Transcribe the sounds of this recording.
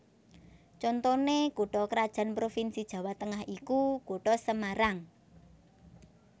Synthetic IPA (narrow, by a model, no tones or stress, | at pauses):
t͡ʃɔnt̪ɔnekoɖ̥ɔkəɾad̥ʒ̥a̤npɾofinsid̥ʒ̥ä̤wat̪əŋahikukoɖ̥ɔsəmaɾaŋ